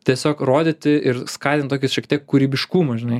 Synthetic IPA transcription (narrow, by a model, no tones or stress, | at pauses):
t̪ʲiɛsʲoːkroːd̪ʲet̪ʲɪɪɾskɑːt̪ʲɪnt̪oːkʲɪsʃʲɛkt̪ʲiɛkkːuɾʲiːbʲɪʃkuːmɐʒʲɪnɐɪ